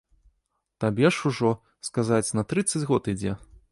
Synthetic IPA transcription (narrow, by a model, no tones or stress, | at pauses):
t̪abʲɛʂuʐɔ | skazat͡sʲnɐt̪ɾɨt̪sːɐd͡zʲɣɔt̪id͡zʲɛ